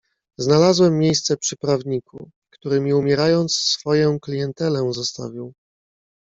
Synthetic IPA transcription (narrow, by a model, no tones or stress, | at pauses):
znalazwɛmːjejst̪sɛpʂɘpɾavɲiku | kt̪uɾɘmʲiumʲjɛɾajɔnt̪ssfɔjɔ̃w̃klʲijɛnt̪ɛlɛzɔst̪a̰vʲiw